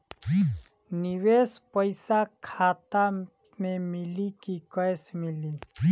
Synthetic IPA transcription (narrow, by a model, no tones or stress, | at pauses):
niwespəɪsakʰaːt̪a | mẽmɪlikikəjsmili